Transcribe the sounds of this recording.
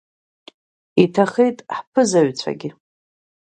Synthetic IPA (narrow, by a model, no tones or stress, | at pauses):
itʰaχejtʼħpʰɨzaɥt͡sʷʰa̰ɡʲɪ